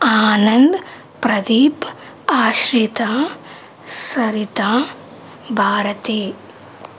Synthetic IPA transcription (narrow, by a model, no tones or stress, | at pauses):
aːnɐnd̪ | pɾɐd̪iːp | aːʃɾit̪ãː | sɐɾit̪ãː | bʱaːɾɐt̪eː